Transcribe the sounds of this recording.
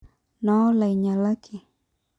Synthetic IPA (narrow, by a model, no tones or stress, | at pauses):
nolajɲalakʰɪ